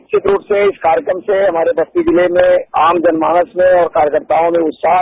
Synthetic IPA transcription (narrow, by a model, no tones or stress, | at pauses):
t͡ʃʰɪt̪ɾuːʈseɪskaːɾjəkɾəmseɦɐmaːɾebɐst̪id̪ɪlemẽaːmd͡ʒɐnmaːnəsmẽɔːɾkaːɾjəkəɾt̪aːõmẽʊt̪saːɦ